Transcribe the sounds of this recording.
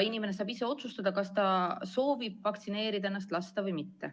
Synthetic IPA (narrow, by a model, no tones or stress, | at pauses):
inime̞ne̞sɑːbise̞o̞t̪sust̪ɑd̪̥ɑkɑst̪ɑso̞ːvib̥̚vɑkt̪sine̞ːɾid̪ɑenːɑst̪lɑst̪ɑvɯjmit̪ːe